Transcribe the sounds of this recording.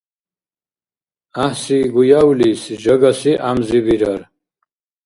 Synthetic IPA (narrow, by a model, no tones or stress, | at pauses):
ahsiɡujawlisd͡ʒɐɡasiʔamzibiɾaɾ